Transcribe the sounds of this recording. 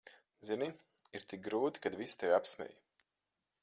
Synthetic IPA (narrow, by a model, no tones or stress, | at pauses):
zini | iɾt̪ik̚ɡɾuːt̪i̥kad̪vist̪ɛvʲapsmʲɛ̰j